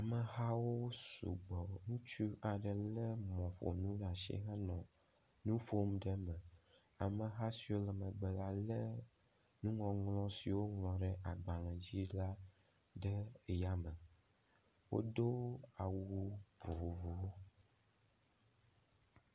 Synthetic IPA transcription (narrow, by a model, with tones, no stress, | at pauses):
a˨mə˨ɦa˦wo˦sṵ˨ɡ͡bɔ˨ŋũ˦t͡ʃu˦a˨ɖə˨lə˦mɔ̃˨ɸo̰˨nũ˦ɖa˨ʃɛ̰˦ɦa˦nɔ̃˨ | nũ˦fo˦m˦ɖə˦mə̃˨ | a˨mə˨ɦa˦si˨wo˦lə˨mə˨ɡ͡bə˨la˦lə˦ | nũ˦ŋɔ̃˨ŋlɔ̃˦si˨wo˦ŋlɔ̃˨ɖɛ˨ʔa˨ɡ͡ba˨lɛ̃˨d͡ʑi˦la˦ | ɖə˦˨ja˦mə̃˨ | wo̰˦d̪o˦a˨wu˦ɸo˨vu˦w